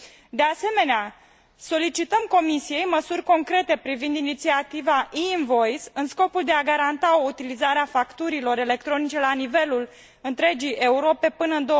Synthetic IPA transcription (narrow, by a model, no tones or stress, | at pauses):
d̪e̞ase̞me̞nea | so̞lit͡ʃit̪əmko̞misije̞jməsurʲko̞ŋkɾe̞t̪e̞pɾivind̪init̪siat̪ivaʔinvo̞jsɨnsko̞puld̪e̞aɡaɾant̪ao̞ut̪ilizaɾeafakt̪uɾilo̞ɾe̞le̞kt̪ɾo̞nit͡ʃe̞lanive̞lul | ɨnt̪ɾe̞d͡ʒijʔe̞uɾo̞pe̞pɨnəɨnd̪o